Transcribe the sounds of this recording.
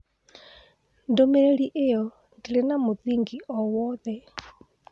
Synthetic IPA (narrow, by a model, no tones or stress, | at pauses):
ndomɛɾeɾiʔejɔ | ndilenamoðiŋɡiɔwɔðɛ